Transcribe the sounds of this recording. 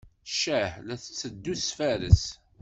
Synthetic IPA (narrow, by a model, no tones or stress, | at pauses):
ʃæhlæθət͡sːəd̪ːuθsfæɾə̰s